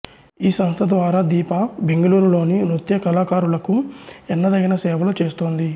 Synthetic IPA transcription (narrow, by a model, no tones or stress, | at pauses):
iːsɐmst̪ʰɐd̪ʋaːɾaːd̪iːpɐbe̞ŋɡɐluːɾulo̞ːninut̪jɐkɐlaːkaːɾulɐkuɛnːɐd̪ɐɡinɐsɛːʋɐlut͡ʃeːst̪oːnd̪i